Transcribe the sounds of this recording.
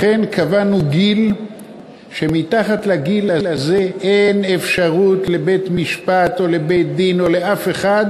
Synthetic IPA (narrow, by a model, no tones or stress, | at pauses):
χenkʰavanuɡil | ʃe̞mit̪aχat̪laɡilalazeʔejne̞fʃaʁut̪lebejt̪miʃpat̪o̞le̞be̞jt̪̚d̪ino̞leʔafe̞χad̪